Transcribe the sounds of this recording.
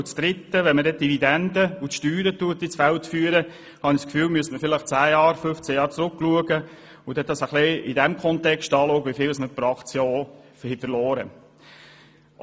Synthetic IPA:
t͡sd̪̥ɾɪt̪ːəʋɛnmədɛt̚d̥ivid̪ɛnd̪əʊtʃtyːɾətuət̪ːisfæltfyːəɾə | hɑnɪskfyːlmyəstməfɪlɪχt͡sæːjɑːɾføft͡sɛjɑːɾt͡sɾʊkːluəɡə | ʊd̥ɛt̚dɑsəχliɪdɛmkʰχɔntɛkʃtɑːloːkʋifɪːləsməpɾɑːχtsjɔɔ | hifəlɔːɾə̰

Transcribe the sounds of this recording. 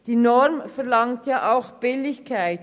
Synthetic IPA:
d̥iːnɔɾmfɛʁlɑŋtjaːʔaʊxb̥ɪlɪçkʰaɪt

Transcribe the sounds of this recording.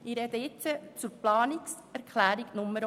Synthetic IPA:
ɪɾɛd̪əɪt͡sət͡sʊɾplɑːniks | æɾkʰlæːɾiɡnʊmːəɾ

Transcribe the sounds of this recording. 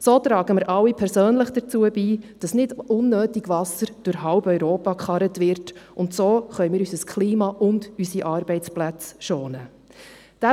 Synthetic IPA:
soːt̪ɾɑːɡəməɾʔɑwipʰɛɾsøːnləχd̥ət͡suəbiːd̥ɑsnɪdʊnːøːtiɡ̥ʋɑsəɾd̥ʊɾhɑʊbœʏɾoːpɑkχɑɾətʋɪɾtʔʊntsoːχœʏmɪːɾysəskχliːmɑʔʊndysiʔɑːɾbɛɪt͡splæt͡sʃoːnə | d̥æ

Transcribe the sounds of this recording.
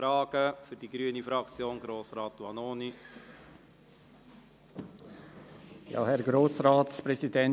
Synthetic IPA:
ɾɑːɡ̥əfʏɾdiɡ̥ɾyənifɾɑkt͡sjoːnɡɾoːsɾɑːtuɑnoːni | jɑ̰ːhɛɾɡɾoːsrɑːtspɾɛsidɛn

